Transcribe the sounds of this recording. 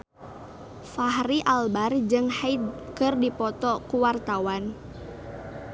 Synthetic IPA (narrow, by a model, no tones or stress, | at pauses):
faɦriʔalbard͡ʒɨŋhaid̪kɨrdipɔt̪ɔkuwart̪awan